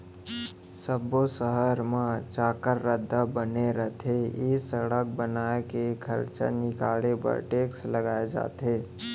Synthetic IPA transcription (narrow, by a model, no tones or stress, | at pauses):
səbosəɦəɾmãt͡ʃaːkəɾːəd̪ʱːabəneɾət̪ʰeesəɽək̚bənaːekekʰə̰ɾt͡ʃa̰nɪkaːlepə̰ɾʈeːksləɡaːed͡ʒa̰ːt̪eː